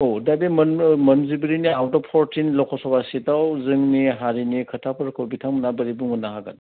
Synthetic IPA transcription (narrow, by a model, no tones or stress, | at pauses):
odabimɐnmɐnzibiɾiniawtɔpʰɔɾtinlɔkʰɔsɔbasidawzɯŋniɦaɾinikʰɐtʰapʰɯɾkʰɔwbitʰaŋmnabɐɾibuŋunːaɦaɡa̰n